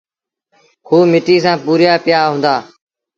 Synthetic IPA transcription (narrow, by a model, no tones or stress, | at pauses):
kʰuːmɪʈiːs̬ãːpuːɾjaːpɪjaːɦʊ̃ːnd̪aː